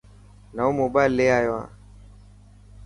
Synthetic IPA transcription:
naumobalːeajoa̰

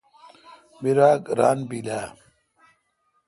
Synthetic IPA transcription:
biɾaːkɾa̰ːnbilaː

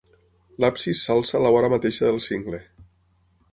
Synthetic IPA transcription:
lapsisːalˠsalaɔɾamat̪eʃaðelˠsiŋɡle

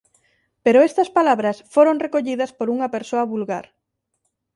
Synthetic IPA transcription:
peɾoest̪ɐspalaβɾɐsfoɾoŋrekoʎiðɐspoɾuŋɐpeɾsoɐβulɣa̰ɾ

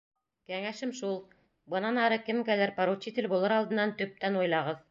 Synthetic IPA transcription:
kæŋæʃɘmʃulˠ | bɤ̆nɑnɑɾɤkɘmkælæɾpɑɾut͡ɕːit̪ɘ̆lbulˠɤɾɑlˠd̪ɤ̆nːɑnt̪ɵ̆p̚t̪ænujlˠɑʁɤð

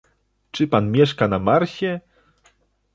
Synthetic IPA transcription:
t͡ʂɘpanmʲjɛʂkanamaɾɕɛ

